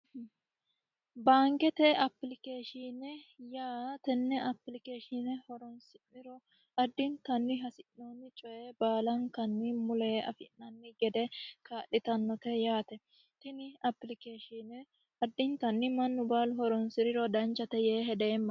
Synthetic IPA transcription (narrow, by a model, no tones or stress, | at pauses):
baːŋkɛt̪ɛɐpːlɪkeːʃinɛjaːt̪ɛnːɛʔɐpːlɪkeːʃɪnɛhɔɾɔnsɪmːɪɾɔ | ʔɐd̪ːɪnt̪ɐnːɪɦɐsɪnːoːnːɪt͡ʃʼɔjebaːlɐnkɐnːɪmʊlɛɐ̰fɪnːɐnːɪɡɛd̪ɛkaːʔːɪt̪ɐnːɔt̪ɛjaːt̪ɛ | t̪ɛnɪɐpːlɪkeːʃinɛ | ɐd̪ːɪnt̪ɐnːɪmɐnːʊbaːlɦɔɾɔnsɪɾɪɾɔd̪ɐnt͡ʃːɐt̪ɛjeːɦɛd̪eːmːɐ